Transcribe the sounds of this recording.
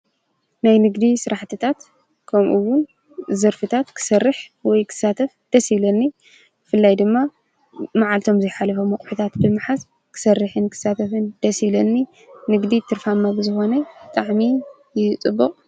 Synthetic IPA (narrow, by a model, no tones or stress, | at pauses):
najnɨɡd̪isɨɾaħt̪ʰɨt̪ʰat̪ | kʰɐmʔuwʊn | zɨɾfɨt̪ʰat̪kʰɨ̥sɐrːɨħwɔjkʰɨ̥sat̪ʰɐfd̪̥ɐsilɐnːi | bɨfɨlːajd̪ɨmːa | maʕalt̪ʰo̞mzɐjħalɐfomɐkʼħut̪ʰat̪bɨmɨħas | kʰɨ̥sɐrːɨħɨnkʰɨ̥sat̪ʰɐfɨnd̪̥ɐsilɐnːi | nɨɡd̪it̪ʰɨɾfamːabɨzɨxo̞nɐɨt̪ʼaʕmi | jɪt͡sʼɨbːɨqʼ